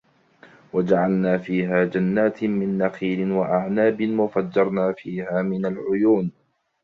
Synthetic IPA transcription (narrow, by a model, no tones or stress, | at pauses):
wad͡ʒaʕalnaːfiːɦaːd͡ʒanːaːt̪mɪnːaxiːɾɪnwaʔaʕnaːbɪnwafad͡ʒːɑɾˤnaːfiːhaːmɪnalʕʊjuːn